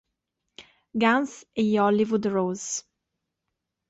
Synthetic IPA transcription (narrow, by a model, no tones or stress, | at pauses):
ɡãnsejɔlivud̪ɹoz